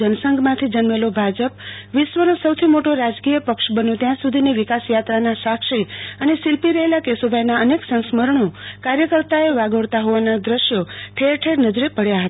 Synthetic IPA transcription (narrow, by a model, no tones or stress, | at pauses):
ənəsəŋɡʱmãt̪ʰid͡ʒənmelobʱad͡ʒəpʋɪʃʋənosəwt̪ʰimoʈoɾad͡ʒkijəpəkʃbənjõt̪jãsud̪ʱiniʋɪkasjat̪ɾanasakʃiənesɪlpiɾəɦelakesobʱajnaəneksə̃ñsməɾɳokaɾjəkəɾt̪aeʋaɡəɽt̪aɦoʋanad̪ɾəʃjoʈʰeɾʈʰeɾnəd͡ʒɾipəɽjaɦət̪a